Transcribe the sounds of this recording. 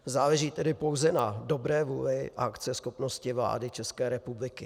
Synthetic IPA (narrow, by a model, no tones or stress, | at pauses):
zaːlɛʒiːt̪ɛdɪpo̞wzɛnado̞bɾɛːvuːlɪʔakt͡sɛsxopno̞scɪvla̰ːdɪt͡ʃɛskɛːɾɛpublɪkɪ